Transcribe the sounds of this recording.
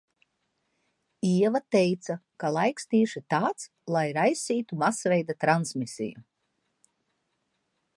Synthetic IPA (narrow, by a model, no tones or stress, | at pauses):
iɛvat̪ɛjt̪sakalˠajkst̪iːʃit̪aːt̪s | lˠajɾajsiːt̪umasvɛjd̪at̪ɾansmisḭjṵ